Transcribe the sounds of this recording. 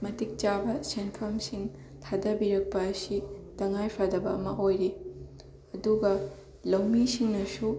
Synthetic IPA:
mɐtik̚t͡ʃabɐsenpʰɐmsiŋ | tʰadɐbiɾɐk̚pɐːsitɐŋajpʰadɐbɐːmɐʔojɾi | ɐduɡɐ | lɐwmisiŋnɐsu

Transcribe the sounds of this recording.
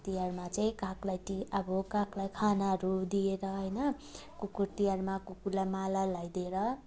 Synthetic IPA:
t̪ijarmat͡saĩkaklajʈiʌbʌkaklajkʰanaɦʌɾud̪ieɾʌɦʌjnʌ | kukuɾt̪ijaɾmakukuɾlajmalalʌjd̪eɾʌ

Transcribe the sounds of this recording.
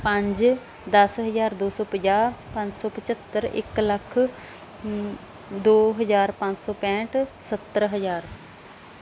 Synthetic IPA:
pə̃ɲd͡ʒ | d̪əsɦəzaːɾd̪oːsɔːpəd͡ʒaːɾpãɲd͡ʒsɔːpət͡ʃət̪ːəɾɪ̰kləkʰ | d̪oːɦəzaːɾpãɲd͡ʒsɔːpɛ̃ːʈsət̪ːəɾɦəzaːɾ

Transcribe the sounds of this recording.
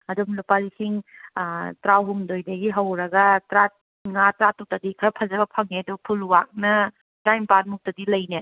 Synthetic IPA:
ɐdumlupalisiŋ | tɾawɦumdojdɐɡiɦɐwɾɐɡɐtɾat̚ | ŋatɾatutadikʰɐpʰɐzɐbɐpʰɐŋedupʰulwak̚nɐ | tajmpan̚muk̚tɐdilɐjne

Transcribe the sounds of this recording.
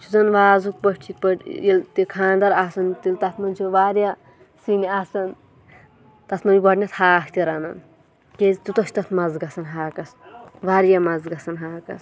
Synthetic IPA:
t͡ʃʰuzɐnʋaːzuk̚pɐʈt͡ʃʰit̪̚pɐʈjilt̪ikʰãːnd̪ɐɾaːsɐnt̪ilt̪ɐt̪ʰmɐnʲt͡ʃʰuʋaːɾja | siniaːsɐn | t̪ɐt̪ʰmɐniɡɐɖnʲɐt̪ʰhaːkʰt̪ʲiɾɐnɐn | kezt̪ut̪ɐsʲt̪ɐt̪ʰmɐzɡɐsʰɐnɦaːkɐsʋaːɾjamɐzɡɐsʰɐnɦaːkɐ̰s

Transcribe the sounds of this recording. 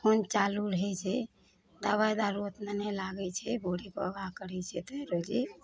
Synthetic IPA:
hʰont͡ʃaluɾəɦɛt͡ʃʰɛ | d̪abajd̪aɾot̪nenɛlaɡɛt͡ʃʰɛbʱoɽipə̰əbʱakəɾɛt͡ʃʰɛt̪ɔɾod͡ʒi

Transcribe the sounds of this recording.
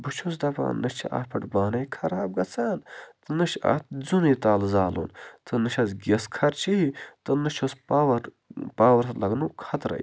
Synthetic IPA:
bɨt͡ʃʰus̬d̪ɐba̰ːnːɨʃt͡ʃʰiʔa̰ːpʰɐʈbaːnɐjkʰɐɾaːb̚ɡɐt͡saːnt̪ɨnɨʃa̰ːt̪̚zuniːt̪aːlzaːlṵnt̪ʰɨnɨʃɐzɡʲɐskʰɐɾt͡ʃʰiit̪ɨnɨt͡ʃʰospaʋɐɾ | paːwɐɾt̪lɐɡnukʰɐt̪ɾɐ̰j

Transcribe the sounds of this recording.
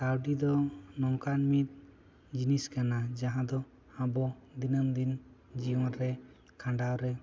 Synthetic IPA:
kawɖid̪ɔnɔŋkanmit̪̚ | d͡ʒiniskanad͡ʒaɦãd̪ɔ | abɔd̪inəmd̪in | d͡ʒiɔ̃ɾɛ | kʰãɳɖawɾɛ

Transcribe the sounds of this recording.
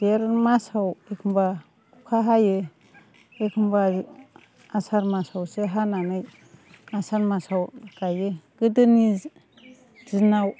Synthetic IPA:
d̥eɾmasawekʰɯmba | kukʰaɦajɯ | ekʰɯmba | asaɾmasawsɯɦananɯj | asanmasawkajɯɡ̥ɯdɯni | zinaw

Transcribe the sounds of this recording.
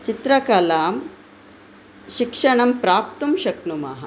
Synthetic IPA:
t͡ɕit̪ɾɐkaːlaːm | ɕikʂɐɳɐmpɾaːp̚t̪umɕɐknuma̰ɦɐ

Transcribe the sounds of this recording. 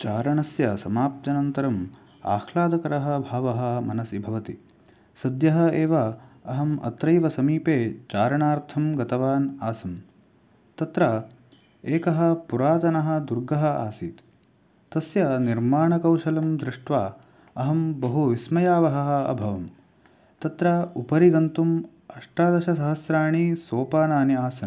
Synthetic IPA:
t͡ʃaːɾɐɳɐsjɐsɐmaːp̚t̪jɐnɐnt̪ɐɾɐm | a̰ːxʰlaːd̪ɐkɐɾɐɦɐ̆bʱaːʋɐɦɐ̆mɐnɐsibʱɐʋɐt̪i | sɐd̪jɐɦɐ̆eːʋɐɐɦɐmɐ̰t̪ɾɐjʋɐsɐmiːpeːt͡ʃaːɾɐɳaːɾt̪ʰɐmɡɐt̪ɐʋaːnaːsɐm | t̪ɐt̪ɾɐ | eːkɐɦɐ̆puɾaːt̪ɐnɐɦɐ̆d̪uɾɡɐɦɐ̆a̰ːsiːt̪ | t̪ɐsjɐniɾmaːɳɐkɐwʃɐlɐmd̪ɾɪʂʈʋaː | ɐɦɐmbɐɦuʋismɐjaːʋɐɦɐɦɐɐ̰bʱɐʋɐm | t̪ɐt̪ɾaːupɐɾiɡɐnt̪um | ɐʂʈɾaːd̪ɐʃɐsɐɦɐsɾaːɳisoːpaːnaːniaːsɐn

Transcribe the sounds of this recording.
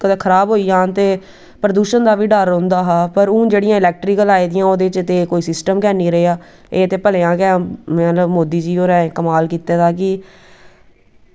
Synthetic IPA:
kəd̪eːkʰəɾaːbɦoːiːãːt̪eː | pɾəd̪uːʃənd̪aːʋiːɖəɾõnd̪aːɦaːpəɾũːd͡ʒeːɽɪjãːɪlɛːk̚ʈɾiːkəlaːiːd̪ɪjãːoːd̪eːt͡ʃət̪eːkoːiːsɪsʈəmkɛːniːɾəeːaː | eːət̪eːpəleːãːkɛ̃ːmɛ̃t̪ləbmoːd̪iːd͡ʒiːoːɾɛ̃ːkəmaːlkiːt̪eːt̪aːkɪ

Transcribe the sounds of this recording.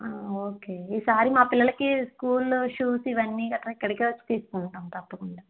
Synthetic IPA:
aoːkeːiːsaːɾimaːpilːɐlɐkiskuːlʂuːsiʋɐnːiːkɐʈːɾɐikːɐɽikeːʋɐt͡ʃːi̥t̪iːsu̥kuɳʈaːmt̪ɐpːɐkuɳɖaː

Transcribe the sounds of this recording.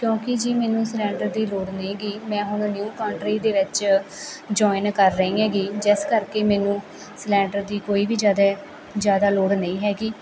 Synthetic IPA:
kjõːkɪd͡ʒiːmɛːnũːslɛ̃ːɳɖəɾd̪iːloːɽnẽĩːɡiːmɛ̃ːɦʊɽ̃njuːkaːɳʈɾiːd̪eːʋɪt͡ʃ | d͡ʒɔːɪnkəɾːəĩːɦɛːɡiːd͡ʒɪskəɾkeːmɛːnũː | slɛ̃ːɳɖəɾd̪iːkoːiːbiːd͡ʒaːd̪a | d͡ʒjaːd̪aːloːɽnə̃ĩːɦɛːɡiː

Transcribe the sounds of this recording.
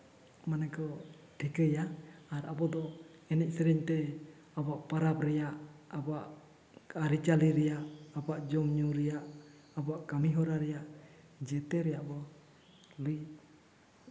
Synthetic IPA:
manɛkɔ | ʈʰikəjaːɾabɔd̪ɔ | ɛnɛc̚ˀsɛɾɛɲt̪ɛ | abaʔpaɾapɾɛjaʔabaʔ | kaɾit͡ʃaliɾɛjaʔabaʔd͡ʒɔmɲuɾɛjaʔ | abɔaʔkamiɦɔɾaɾɛjaʔ | d͡ʒɛt̪ɛɾɛjaʔbɔ | luj

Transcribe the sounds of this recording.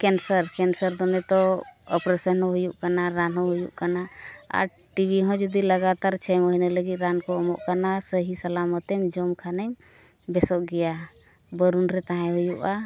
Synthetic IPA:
kɛnsəɾkɛnsəɾd̪ɔnɛt̪ɔɔpɾɛsənɦɔ̃ɦujuʔkanaɾanɦɔ̃ɦujuʔkanaa̰ɾ | ʈibʱiɦɔ̃d͡ʒud̪iləɡat̪aɾt͡ʃʰɛmɔɦinaləɡit̪̚ˀɾankɔɔmɔ̰ʔkanasəɦisalamɔt̪ɛmd͡ʒɔmkʰanəɲ | bɛsɔʔɡɛja | bəɾunɾɛt̪aɦɛ̃ɦujuʔa

